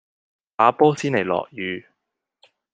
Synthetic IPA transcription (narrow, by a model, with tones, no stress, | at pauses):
paː˨˧pɔː˥siː˥nle˨˩jlɔ̰ː˨k̚jyː˨˧